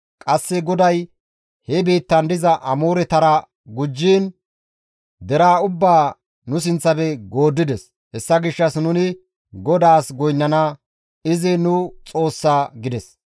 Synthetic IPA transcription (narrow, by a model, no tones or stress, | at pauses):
kʼɐsːɛɡɔd̪ɐj | hɛbeːt̪ːɐnd̪ɪzɐʔɐmoːɾɛt̪ɐɾɐ | ɡʊd͡ʒːiːn | d̪ɛɾaːʊbːaː | nʊs̬ɪnt͡sːɐbɛɡoːd̪ːɪd̪ɛs | hɛsːɐɡɪʃːɐsnʊnɪ | ɡɔd̪aːsɡɔjnːɐna | ɪzɪnʊt͡sʼo̞ːsːaːɡɪd̪ɛs